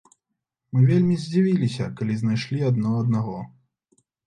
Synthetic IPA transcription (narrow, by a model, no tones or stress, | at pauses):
mɨvʲelʲmʲizʲd͡zʲivʲilʲisʲɐkalʲiznajʂlʲiɐd̪nɔɐd̪naɣɔ